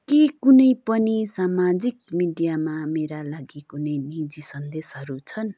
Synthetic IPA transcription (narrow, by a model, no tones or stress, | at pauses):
kikunʌjpʌnisamad͡zik̚miɖijamameɾalaɡikunʌjnid͡zisʌnd̪esɦʌɾut͡sʰʌn